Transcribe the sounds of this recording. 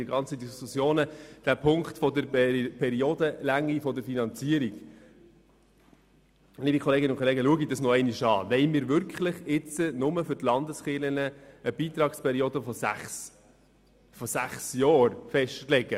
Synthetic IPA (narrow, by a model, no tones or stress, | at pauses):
əɡɑnt͡sədiskusjoːnəd̥æpʰʊŋktfɔd̪əɾpʰɛɾiod̪əlæŋːifɔdəɾfinɑnt͡siəɾiɡ | liːbikʰɔleːɡɪnʊnkʰɔleːɡəluəɡid̥ɑsnɔɛɪniʃɑ̰ːʋɛɪmɪːɾʋʏɾkχləχɪt͡sənʊməfʏɾtlɑnd̪əsχɪlənəəb̥iːt̪ɾɑːkspʰɛɾioːd̪əfɔsæχs | fɔsæχsjɔːɾfɛʃtlɛɡə